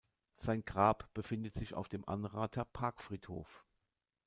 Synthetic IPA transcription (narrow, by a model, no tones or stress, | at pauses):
z̥aɪnɡʁaːpb̥əfɪndətz̥ɪça̰ʊfd̥eːmʔa̰nʁaːtʰɐpʰaɐkfʁ̥iːtho̰ːf